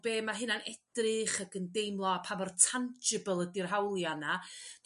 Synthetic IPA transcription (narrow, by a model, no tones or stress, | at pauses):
beːmaɦɨnanɛd̥rɨχəɡəndejmlˠɔapʰamɔrtʰand͡ʒɪbəlˠədirɦawlˠjana